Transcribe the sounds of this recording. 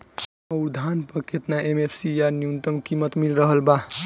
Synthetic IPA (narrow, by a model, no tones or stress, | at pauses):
əʊɾd̪ʱanpəkʰet̪naʔemepʰsijanijunt̪əmkimət̪milɾəɦəlba